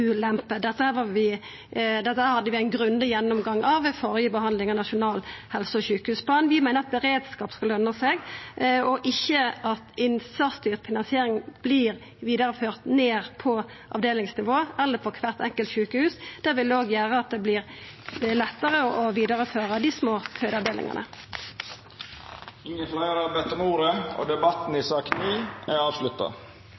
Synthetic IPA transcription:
ʉːlɛmpəd̪ɛt̪ːəhæːʋɑʋɪ | d̪ɛt̪ːəhæːɾhɑd̪ːəʋɪæɪnɡɾʉnd̪əjɛnːɔmɡɑŋːɑʋfɔʁjəbəhɑnd̪lɪŋɑnɑʃʊnɑːlhɛlsɔɔçʉːkəhʉːspʰlɑːnʋɪmæɪnəʁɑt̪̚bəʁeːd̪skɑːpskɑlœnd̪ʁəseɡɔʔɪçːəʔɑt̪ɪnsɑst̪yːʁfɪnɑnsɪeːɾɪŋb̥liːɾ | ʋiːd̪əɾəføːʁt̪neːʁpʰɔ | ʔɑ̰ʋd̪eːlɪŋsnɪʋoːɛlːəfʰɔkʰʋæːʁt̪ɛŋkəlt̪çʉːkəhʉːsd̪̥æʁʋɪld̪ɛoːɡjæːʁəɑt̪̚d̪ɛblɪʁ | lɛt̪ːəʁəʔɔʋiːd̪əʁəføːʁəd̪ɪsmoːkhʰœʏd̪ɑʋd̪eːlɪ̰ŋə̰nʔə̰ | ɪŋːənflæɪəɾɑbɛt̪ɔmuːɾəo̰d̪ɛbɑt̪n̩ɪsɑːknyːæɑːʋslʉt̪ːɑ̰

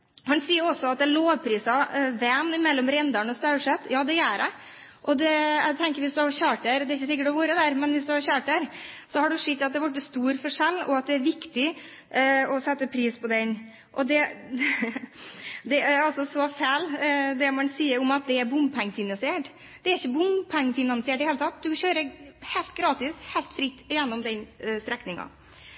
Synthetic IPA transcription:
hɑnsiːəɾɔsːɔɑt̪̚d̪ɛloːʋpʰɾiːsɑʋɛmɪmɛlːɔmɾɛnd̪ɑɳɔst̪ɑʉʂɛt̪ːjɑːd̪ɛjæːɖɛ | ʔɔd̪ɛæɡt̪ʰɛŋkəɾʋɪsd̪ʉhɑɾçøːʈ̪æɾd̪ɛɾɪçːəsɪk̬ːəʈɔʋuːɾəd̪æɾmɛnʋɪsd̪ʉhɑɾɕøːʈ̚d̪æɾsɔhɑɖʉʂɪt̪ːɑt̪̚d̪ɛʋɑʈːəst̪uːɾfɔʂɛlːɔ̰ɑt̪̚d̪ɛæɾʋɪkt̪ɪ | ɔsɛt̪ːəpʰɾiːspʰɔd̪ɛn | ʔɔd̪ɛ | d̪ɛæɾɑlsɔsɔfæːld̪ɛmɛnsiːəɾɔmɑt̪̚d̪ɛæɾbʊmpʰɛŋːəfɪnɑnsɪeːʈ | d̪̥ɛæɾɪçːəbʊmpʰɛŋːəfɪnɑnsɪeːʈd̪ɪheːlət̪ʰɑt̪ːd̪ʉçøːɾəhɛɪlt̪̚ɡɾɑːt̪ɪshɛɪlt̪fɾɪt̪ːɪjɛnːɔmd̪ɛnst̪ɾɛknɪŋɑ̰

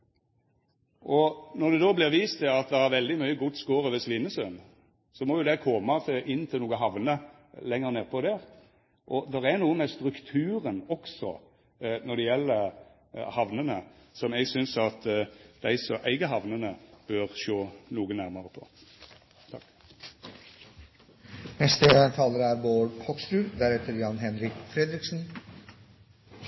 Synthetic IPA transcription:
ʔɔnɔd̪ɛd̪oːblɪʁʋiːst̪ʰɪɑt̪̚d̪ɛhɑɾʋɛld̪ɪmœʏəɡʊt̪skoːʁəʋɪsʋɪnːəsœn | sɔmɔjʊd̪ɛkʰɔmːət̪ʰʔɪnt̪ʰɪluːɡəɦɑʋnə | lɛŋːəʁneːʁpʰɔd̪ɛɾ | ʔɔd̪ɛʁɛnuːəmɛst̪ɾʉkt̪ʰʉːɾənɔksɔ̰ | nɔd̪ɛjɛlːəɾ | hɑʋnənə | sɔmɛɡsʏnsɑt̪d̪̥æɪsɔʔæɪɡəɦɑʋnənəb̥øɾʃoːnuːɡənæɾməʁəpʰɔ̰ | t̪ʰɑk | nɛst̪ət̪ʰɑːləɾæɾʋoːɾkʰɔksɾʉːd̪æɾɛt̪ʰəɾjɑnɦɛnɾɪkfɾɛd̪ɾɪksn̩

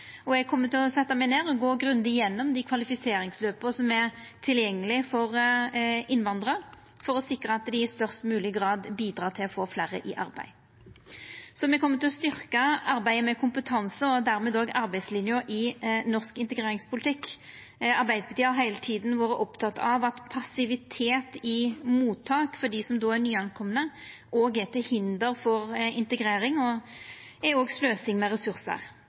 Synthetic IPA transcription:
ɔɛɡ̚kʰɔmːət̪ɪlɔsɛt̪ːəmæɪneːʁɔɡoːɡɾʉnd̪ɪjɛnːɔmd̪ɪkʰʋɑlɪfɪseːɾɪŋsløːpəsɔmæʁt̪ʰɪljɛŋːəlɪfɔʁ | ɪnʋɑnd̪ʁɑ | fɔɾɔsɪkɾəɑt̪d̪ɪɪst̪œʁst̪mʉːlɪɡɾɑːd̪biːd̪ɾɑːt̪ʰɪlɔfoːflæːɾə̰ʔɪʔɑ̰ɾbæ̰ɪ | sɔmɛɡkʰɔmːət̪ɪlɔst̪ʏʁkəɑɾbæɪəmɛkʰʊmpət̪ʰɑnsəɔd̪æɾmeːd̪oːɡɑɾbæɪd̪slɪnjʊɾɪnɔʁskɪnt̪əɡɾʁeːɾɪŋspʰʊlɪt̪ʰɪkː | ɑɾbæɪd̪pʰɑt̪iːɑɾɦæɪlət̪ʰiːd̪n̩ʋɑːɾəʔɔpt̪ʰɑt̪ːɑʋɑt̪pʰɑsɪʋɪt̪ʰeːt̪ɪmuːt̪ʰːɑːkfɔɖ̪isɔmd̪oːænyːɑnkʰɔmːənə | ʔoːɡɛt̪ːəhɪnd̪əɾfɔɾɪnt̪əɡʁeːɾɪŋɔ | ɛoːɡsløːsɪŋmɛʁɛsʉʁsə̰ʁ

